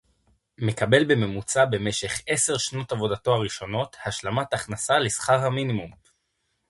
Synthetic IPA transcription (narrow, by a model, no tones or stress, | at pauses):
me̞kabe̞lbe̞me̞mut͡sabe̞me̞ʃe̞χe̞se̞ʁʃno̞tavo̞dato̞aʁiʃo̞no̞thaʃlamataχnasalesχaʁhaminimum